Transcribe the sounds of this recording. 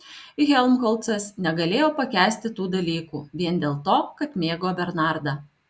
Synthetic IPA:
ɪɣʲɛlʲˠmxɔlˠt̪sɐsnʲɛɡɐlʲeːjoːpɐkʲæːsʲt̪ʲɪt̪uːd̪ɐlʲiːkṵːʋʲiɛnd̪ʲeːlˠt̪oːkɐt̪mʲeːɡoːbʲɛɾnɑˑɾd̪ɐ

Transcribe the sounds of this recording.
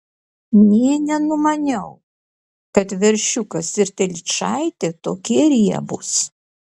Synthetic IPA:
nʲiɛnʲɛnʊmɐnʲɛʊ | kɐt̪ʋʲɛɾʲʃʲʊkɐsɪɾt̪ʲɛlʲt͡ʃɑɪt̪ʲet̪oːkʲiɛɾʲiɛ̰bʊs

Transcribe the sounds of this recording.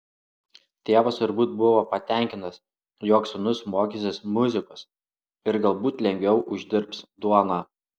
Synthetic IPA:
t̪ʲeːʋɐst̪ʊɾbuːt̪̚bʊʋoːpɐt̪ʲɛˑŋʲkʲɪnt̪ɐs | joːksʊnʊsmoːkʲisʲɪsmʊzʲɪkos | ɪɾɡɐlˠbuːt̪lʲɛŋʲɡʲʋʲɛʊʔʊʒʲd̪ʲɪɾpsd̪uɔnɑː

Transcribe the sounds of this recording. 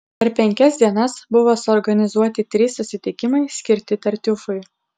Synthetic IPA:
pʲɛɾpʲɛŋʲkʲɛsd̪ʲiɛnɐsbʊʋoːsʊɔɾɡɐnʲɪzuɔt̪ʲɪt̪ʲɾʲiːsːʊsʲɪt̪ʲɪkʲɪmɐɪsʲkʲɪɾʲt̪ʲɪt̪ɐɾʲt̪ʲʊfʊɪ

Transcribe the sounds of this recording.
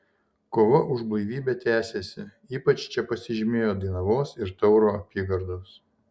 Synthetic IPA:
koːʋɐʔʊʒblˠɐɪʋʲiːbʲɛt̪ʲæːsʲeːsʲɪ | iːpɐt͡ʃt͡ʃʲɛpɐsʲɪʒʲɪmʲeːjoːd̪ɐɪnɐʋoːsɪɾt̪ɒʊɾoːɐpʲiːɡɐɾd̪oːs

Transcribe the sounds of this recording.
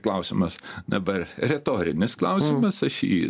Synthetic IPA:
klˠɐʊsʲɪmɐsd̪ɐbɐrɾʲɛt̪oːɾʲɪnʲɪsklˠɐʊsʲɪmɐsɐʃḭː

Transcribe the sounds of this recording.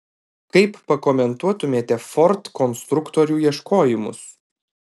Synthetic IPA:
kɐɪpːɐkɔmʲɛnt̪uɔt̪ʊmʲeːt̪ʲɛfɔɾt̪kɔnst̪ɾʊkt̪ɔɾʲuːiɛʃkoːjɪmʊ̰s

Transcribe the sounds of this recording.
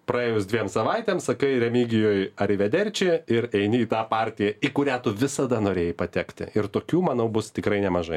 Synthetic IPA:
pɾɐeːjʊsd̪ʲʋʲiɛmsɐʋɐɪt̪ʲɛːmsɐkɐɪɾʲɛmʲiːɡʲɪjoːjɐɾʲɪʋʲɛd̪ʲɛrʲt͡ʃʲɪɪɾɛɪnʲɪiːt̪ɑːpɑːɾʲt̪ʲɪjɛikʊɾʲæːt̪ʊʋʲɪsɐd̪ɐnoːɾʲeːjɪpɐt̪ʲɛkt̪ʲɪ̰ɪrt̪oːkʲuːmɐnɐʊbʊst̪ʲɪkɾɐɪnʲɛmɐʒɐɪ

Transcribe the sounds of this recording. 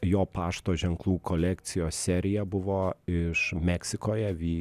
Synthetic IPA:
joːpɑːʃt̪oːʒʲɛŋklˠuːkʰoːlʲɛkt̪sʲɪjoːssʲæːɾʲɪjɛbʊʋoːɪʃmʲɛksʲɪkoːjɛʋʲiː

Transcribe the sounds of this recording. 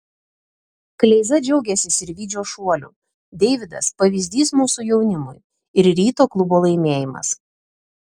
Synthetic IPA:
klʲɛɪzɐd͡ʒʲɛʊɡʲɛsʲɪsɪɾʋʲiːd͡ʒʲoːʃuɔlʲṵː | d̪ʲɛɪʋʲɪd̪ɐ̰spɐʋʲiːzʲd̪ʲiːsmuːsʊjɛʊnʲɪmʊj | ɪɾɾʲiːt̪oːklˠʊboːlˠɐɪmʲeːjɪmɐ̰s

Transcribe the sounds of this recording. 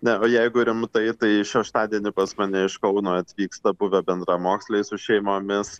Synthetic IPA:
nʲɛoːjɛɪɡʊɾʲɪmt̪ɐɪt̪ɐɪʃʲɛʃt̪ɑːd̪ʲiɛnʲɪpɐsmɐnʲɛɪʃkɐʊnoːɐt̪ʲʋʲiːkst̪ɐbʊʋʲɛbʲɛnd̪rɑmoːksʲlʲɛɪsʊʃʲɛɪmoːmʲɪs

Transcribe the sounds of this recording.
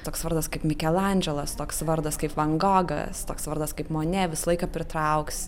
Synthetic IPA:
t̪oːksʋɐɾd̪ɐskɐɪpmʲɪkʲɛlˠɐnʲd͡ʒʲɛlˠɐst̪oːksʋɐrd̪ɐskɐɪpʋɐŋɡoːɡɐ̰st̪oːksʋɐɾd̪ɐskɐɪpmoːnʲɛʋʲɪsɐlˠɐɪkɐːpʲɾʲɪt̪ɾɐʊks

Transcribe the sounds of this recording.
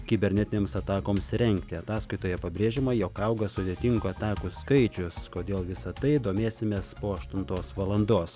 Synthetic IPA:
kʲɪbʲɛɾʲnʲɛt̪ʲɪnʲeːmsɐt̪ɑːkoːmsɾʲɛŋʲkt̪ʲɪɐt̪ɑːskɐɪt̪oːjɛpɐbʲɾʲeːʒʲɪmɐjokɐʊɡɐsʊd̪ʲeːt̪ʲɪŋɡʊɐt̪ɑːkʊskɐɪt͡ʃʲʊskoːd̪ʲeːlˠʋʲɪsɐt̪ɐɪd̪oːmʲeːsʲɪmʲeːspoːɐʃt̪ʊnt̪oːsʋɐlˠɐnd̪oːs

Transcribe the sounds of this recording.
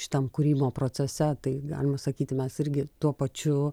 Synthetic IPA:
ʃʲɪ̥t̪ɐmkuɾʲiːboːpɾoːt͡sʲɛsʲɛt̪ɐɪɡɑ̰ːlʲɪmɐsɐkʲiːt̪ʲɪmʲɛsɪɾʲɡʲɪt̪uɔpɐt͡ʃʲʊ

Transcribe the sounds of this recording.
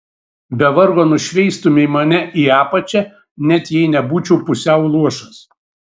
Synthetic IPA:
bʲɛʋɐɾɡoːnʊʃʲʋʲɛɪst̪ʊmʲɛɪmɐnʲɛʔiːɑːpɐt͡ʃʲɛ | nʲɛt̪jɛɪnʲɛbuːt͡ʃʲɛʊpʊsʲɛʊlˠuɔʃɐs

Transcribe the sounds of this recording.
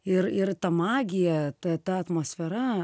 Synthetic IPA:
ɪɾɪɾt̪ɐmɑːɡʲɪjɛt̪ɐt̪ɐɐt̪moːsʲfʲɛɾɐ

